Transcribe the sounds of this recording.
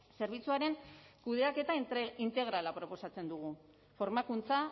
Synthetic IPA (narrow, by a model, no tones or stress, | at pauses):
se̞ɾβ̞it͡suaɾe̞ŋkuð̞e̞ake̞t̪aint̪e̞ɣ̞ɾalapɾo̞po̞sat͡se̞nd̪uɣ̞u | fo̞ɾmakunt͡sa